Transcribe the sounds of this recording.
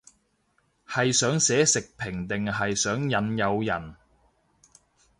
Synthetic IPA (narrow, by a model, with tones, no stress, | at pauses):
hɐ˨jsœː˨˥ŋsɛː˨˥sɪ˨k̚pʰɪ˨˩ŋt̪ɪ˨ŋɦɐ˨jsœː˨˥ŋjɐ˨˧njɐ˨˧wjɐ˨˩n